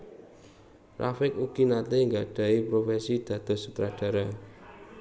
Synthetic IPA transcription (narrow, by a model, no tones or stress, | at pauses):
rʔa̰fɪkuɡ̥inat̪eŋɡaɖ̥ä̤ipɾofɛsid̪̥ä̤d̪̥ɔ̤sut̪ɾaɖ̥ä̤ɾa